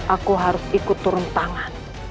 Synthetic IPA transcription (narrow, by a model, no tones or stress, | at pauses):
ʔakuɦaɾʊsikut̪uɾunt̪aŋan